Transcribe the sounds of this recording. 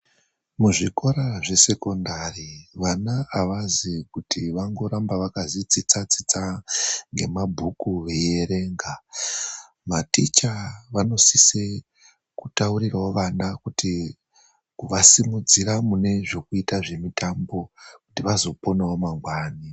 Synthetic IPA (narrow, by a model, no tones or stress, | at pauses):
muʐiko̞ɾaʐe̞se̞ko̞ndariʋanaːʋazikutʰiʋaŋɡo̞ɾambaʋakazit͡sit͡sat͡sit͡saŋɡe̞mabʱukuʋe̞jeɾe̞ŋɡa | matit͡ʃaʋano̞sise | kutauriraoʋanakutʰi | kuʋasimud͡ziɾamune̞ʐo̞kuitaʐe̞mitambo̞kutiʋazo̞po̞nao̞maŋɡwaːni